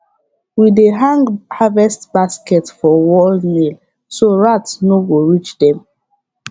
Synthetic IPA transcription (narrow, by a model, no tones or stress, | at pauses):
wideɦãŋɡhavɛstbaskɛtfɔwɔlnil | soɹatsnoɡoɹit͡ʃdɛ̃m